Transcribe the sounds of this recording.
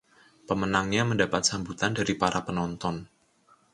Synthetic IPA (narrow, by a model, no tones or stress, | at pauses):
pəmənaŋɲaməndapat̪̚sambut̪andaɾipaɾʔapənɔnt̪ɔn